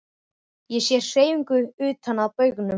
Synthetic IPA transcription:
jɛsjɛɾ̥seːjʏŋkʏʏːt̪ʰanaðpœːɥknʏ

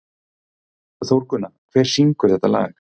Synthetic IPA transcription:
θowɾkʰʏnːakʰvɛːɾ̥siŋkʏɾ̥θɛht̪ːala̰ːɣɪ̥

